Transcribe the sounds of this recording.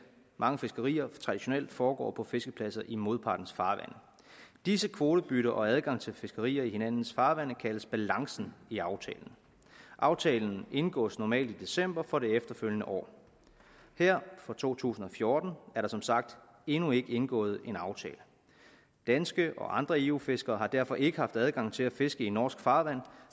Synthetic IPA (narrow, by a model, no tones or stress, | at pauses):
mʔɑ̈ŋəfe̝sɡ̥əʁḭːɐt͡sʰʁɑ̈d̥iɕo̝neld̥fɒːɡ̥ɒ̰ːpʰɒ̽fe̝sɡ̥əpʰlæsɐʔimo̝ðˠpʰɑ̈ːd̥n̩sfɑ̈ːʋænə | d̥isəkʰʋo̝ːɾ̥əb̥yɾɐʔɒ̽æð̞ˠɡ̥ɑ̈ŋ̰t͡sʰe̝lfe̝sɡ̥əʁḭːɐihe̝næn̰n̩sfɑ̈ːʋæn̰əkʰæləsb̥ælɑ̈ŋsn̩iɑ̈ʊt͡sʰɛ̰ːln̩ | ʔɑ̈ʊt͡sʰɛ̰ːln̩ʔe̝nɡ̥ɔ̰̽ːsnɒmɛ̰ːld̥id̥e̝sem̰b̥ɐfɒ̽ɾe̝efd̥ɐføljənəʔɒ̰ː | hæɐ̰fʁɒt͡sʰo̝̰ːt͡sʰṵːsn̩ɒ̽fjo̝ːd̥n̩æɐɾ̥ɑ̈sɒ̽msɑ̈ɡ̥̚d̥ | e̝nue̝ɡ̥əenɡ̥ɔ̰̽ːð̞̩ˠe̝nɑ̈ʊt͡sʰɛ̰ːlə | d̥ænsɡ̥əʔɒ̽ʔɑ̈nd̥ʁɐeufe̝sɡ̥ɐːɦɑ̈d̥æɐ̰fɒ̽ʔe̝ɡ̥əhɑ̈fd̥æð̞ˠɡ̥ɑ̈ŋ̰t͡sʰe̝læfe̝sɡ̥əinːɒ̰ːsɡ̥fɑ̈ːʋæn̰